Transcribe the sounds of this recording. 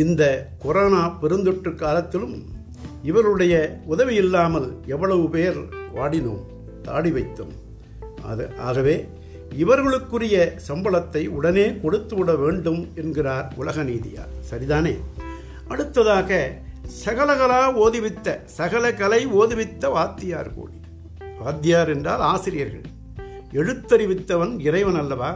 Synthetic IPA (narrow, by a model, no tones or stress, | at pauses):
ɪnd̪ɐkɔɾaːnaːpɪɾɯnd̪ɯʈːɯkːaːlɐt̪ːɪlɯm | ɪʋɐɾɯɽɐjɐʊðɐʋɪjɪlːaːmɐlɛʋːɐɭɐʋɯpeːɐɾʋaːɽɪno̰ːm | t̪a̰ːɽɪʋɐɪt̪ːo̰ːm | ʔa̰ːɣɐʋeː | ɪʋɐɾɣɐɭɯkːɯrɪjɐsɐmbɐlɐt̪ːɐɪʊɽɐneːkɔɽɯt̪ːɯʋɪɽɐʋeːɳɖɯmɛnɡɪraːɾʊlɐɣɐniːðɪ̰ja̰ːɾsɐɾɪðaːnḛː | ɐɽɯt̪ːɐðaːɣɐsɐɣɐlɐɣɐlaːoːðɪʋɪt̪ːɐsɐɣɐlɐkɐlɐɪoːðɪʋɪt̪ːɐʋaːt̪ːɪja̰ːɾkṵːɽi | ʋaːt̪̬ːɪjaːɾɛndra̰ːlaːsɪɾɪjɐɾɣɐ̰ɭ | ɛɻɯt̪ːɐɾɪʋɪt̪ːɐʋɐnɪrɐɪʋɐnɐlːɐʋaː